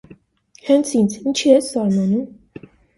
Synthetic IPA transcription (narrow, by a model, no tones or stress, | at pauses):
hɛnt͡sʰint͡sʰint͡ʃʰiɛsɑɾmɑnum